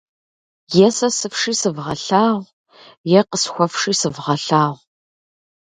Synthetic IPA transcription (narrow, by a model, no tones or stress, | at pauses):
jɛsɐsɨfʂiːsɨvʁɐ̰ɬaːʁʷ | jɛqəsxʷɔfʂiːsɨvʁɐɬaːʁʷ